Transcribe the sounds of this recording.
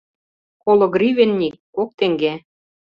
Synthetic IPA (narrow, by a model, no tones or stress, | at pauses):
kolŏɡrʲivenːʲikːok̚t̪eŋɡe